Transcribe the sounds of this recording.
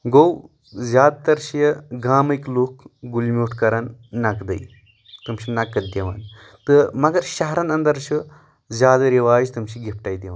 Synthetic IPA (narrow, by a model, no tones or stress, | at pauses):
ɡow | zʲjaːd̪̚t̪ɐɾʃijəɡaːmɨkluːkɡulmʲuːʈʰkɐɾɐnːɐkd̪ɐ̰j | t̪ɨmʃʰinɐkːɐd̪jɐʋa̰ːn | t̪ɨmɐɡɐɾʃɐɦɾɐnɐnd̪ɐɾt͡ʃʰu | zʲaːd̪ɐɾiʋaːd͡ʒt̪ɨmʃiɡipʈajd̪iʋan